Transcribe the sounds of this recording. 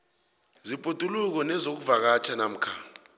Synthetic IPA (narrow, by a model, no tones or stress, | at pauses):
zipʼutʼuluk̬ɔnɛzok̬uvak̬at͡ʃʰanam̩kʰa